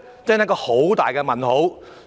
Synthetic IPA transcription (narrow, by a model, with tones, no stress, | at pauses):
t͡sɛː˥nɐ˥kːɔː˧ho˨˥wt̪aː˨˩jkɛː˧mɐ˨˩nho˨˥w